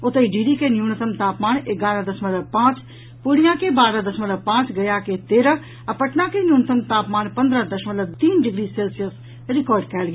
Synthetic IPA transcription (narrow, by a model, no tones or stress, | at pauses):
ʊt̪eiɖiːɖikenjuːnət̪ʰəmt̪aːpmaːnɪɡaːɾə̃d̪ɐsmələpãːt͡ʃ | pʊɽijãːkebaːɾə̃d̪ɐsmələpãːt͡ʃɡɐjaket̪eːɾə | ɐpɐʈnãkenjuːnət̪ʰəmt̪aːpmaːnpɐ̃nd̪ɾə̃d̪ɐʃmələt̪iːnɖɪɡɾiːseːlsijəs | ɾɪkɔːɾɖkɛːlɡeː